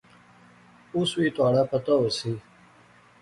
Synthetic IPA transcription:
uswiːt̪waːɽapɐt̪aosi

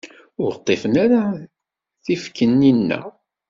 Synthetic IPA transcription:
ʊɾət̪ˤːefənaɾa | θifkːənːinːæ̰

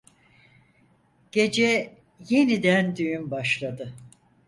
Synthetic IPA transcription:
ɟ̥e̞d͡ʒɛ | je̞nid̪ænd̪yjymbaʃlˠad̪ɯ

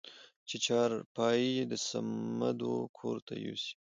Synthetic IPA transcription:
t͡ʃet͡ʃɑɾpɑjid̪əsamad̪okʰoɾt̪ʰa̰jo̰si̥

